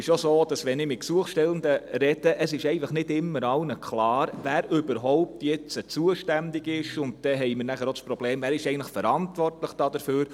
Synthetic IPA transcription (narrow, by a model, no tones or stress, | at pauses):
ɪʃosoːd̥ɑsʋɛnɪmɪt̚ksuəχʃtɛləndəɾɛd̥əʔəsɪʃɛɪɡnfəχnɪdɪmːəɾɑwnəkʰχlɑːɾʋæːɾʏbəɾɦɔʊp̚tjɛt͡sət͡suəʃtændɪɡɪʃʊnt̚d̥ɛɦɛɪjmɪɾnæχəɾospɾɔbleːmvæːɾɪʃɛɪɡən̩tləχfəɾɑntʋɔrtləχd̥ɑːd̥əɾføːɾ